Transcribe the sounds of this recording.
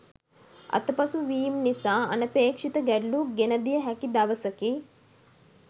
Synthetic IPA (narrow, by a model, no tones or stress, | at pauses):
ɐ̰t̪ɐpɐsuʋiːmnisaːɐ̰nɐpeːkʂit̪ɐɡɛɖluɡenɐd̪ijɐɦɛkid̪ɐʋɐsɐki